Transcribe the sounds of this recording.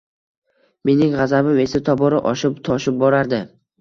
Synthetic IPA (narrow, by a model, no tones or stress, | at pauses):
me̞nɪŋʁazabɪme̞sat̪ʰɒbɒɾɪʔɒʃɪpt̪ʰɒʃɪp̚bɒɾaɾd̪ɪ